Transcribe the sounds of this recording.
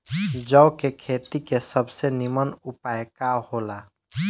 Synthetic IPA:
d͡ʒəʊkekʰeːt̪ikesəbsenɪmənʊpaːjkahoːla

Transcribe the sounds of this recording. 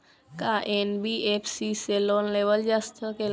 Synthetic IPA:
kaʔenbiʔepʰsiseloːnleːʋəld͡ʒast̪ʰəke

